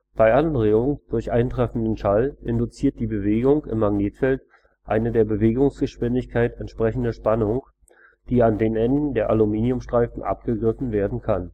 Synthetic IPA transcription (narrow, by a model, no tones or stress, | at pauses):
b̥aɪʔanʁeːʊŋd̥ʊɐçʔaɪntʁ̥ɛfn̩dənʃalʔɪndʊt͡siːɐt̚d̥iːbəveːɡʊŋkɪ̰mːaɡneːtfɛlt | ʔaɪnədeːɐbəveːɡʊŋsɡ̥əʃv̥ɪndɪçkʰaɪtɛntʃpʁ̥ɛçn̩dəʃpanʊŋ | d̥iːandeːnʔɛndn̩deːɐʔalumiːniʊmʃtʁ̥aɪfn̩ʔa̰p̚ɡ̥əɡʁɪfn̩veːɐdn̩kʰan